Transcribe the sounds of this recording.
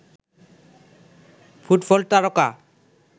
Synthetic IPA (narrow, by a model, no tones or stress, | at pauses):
fʰuʈbɔlt̪aɾɔka